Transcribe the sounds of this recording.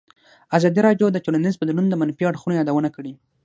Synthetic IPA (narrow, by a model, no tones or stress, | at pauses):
azɑd̪iɾɑɖjod̪ət̪olanizpəd̪nund̪əmanfiaɽxunojɑd̪awənakəɽi